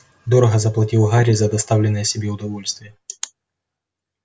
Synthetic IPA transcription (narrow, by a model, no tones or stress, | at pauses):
d̪oɾəɣəzɐplˠɐtʲilˠɣaɾʲɪzɐd̪ɐst̪avlʲɪnːəjəsʲɪbʲeʊd̪ɐvo̞lʲst̪vʲɪjə